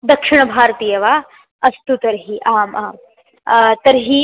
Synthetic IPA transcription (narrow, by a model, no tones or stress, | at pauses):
d̪ɐkʂiɳ̃ɐbʱaːɾɐt̪iːjɐʋaː | ɐst̪ut̪ɐɾɦiʔaːmʔɐ | t̪ɐɾɦi